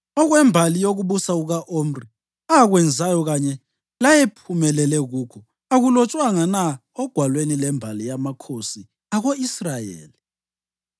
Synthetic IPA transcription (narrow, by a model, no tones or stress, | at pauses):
ɔɣwɛmbʱalijoɣuβusauɣaʔom̩ri | aɣwɛnd͡zʱajɔɣaɲɛ | lajɛpʰumɛlɛlɛɣukʰɔ | aɣulɔt͡ʃʼwaŋana | ɔɡ̥ʱwalwenilɛmbʱalijamakʰosi | aɣoisrajḛːli